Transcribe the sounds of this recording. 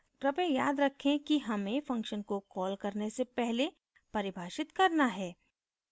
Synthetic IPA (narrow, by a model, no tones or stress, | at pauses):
kɾɐpẽjaːd̪ɾɐkʰːẽkiɦɐmẽfɐ̃ŋkʃənkokɔːlkɐɾnesepɛɦle | pɐɾɪbʱaːʃɪt̪kɐɾnaɦɛː